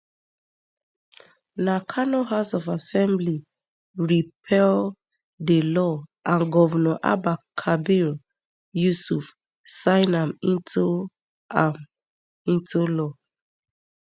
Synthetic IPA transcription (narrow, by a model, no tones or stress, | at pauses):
nakʰanɔɦasɔvasɛ̃mbli | ɹipʰɛl | delɔʔãnɡɔvɛnɔʔa̰bakʰabil | jusuf | sãɪnãmĩntu | ĩntulɔ